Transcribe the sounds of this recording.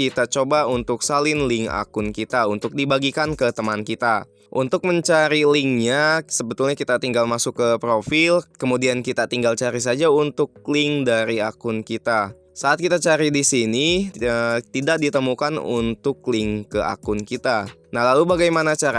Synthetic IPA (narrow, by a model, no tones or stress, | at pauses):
it̪at͡ʃobaunt̪ʊksalɪnlɪŋa̰kʊnkit̪aunt̪ʊk̚dibaɡikankət̪əmankit̪a | ʔunt̪ʊk̚məɲt͡ʃaɾiliŋɲasəbət̪ulɲakit̪at̪iŋɡalmasʊkːəpɾofɪlkəmudiankit̪at̪iŋɡalt͡ʃaɾis̬ad͡ʒaunt̪ʊk̚lɪŋdaɾiakʊnkit̪a | saʔːt̪kit̪at͡ʃaɾidisiniət̪idak̚dit̪əmukanṵnt̪ʊk̚lɪŋkəʔa̰kʊnkit̪anahlalubaɡajmanat͡ʃaɾa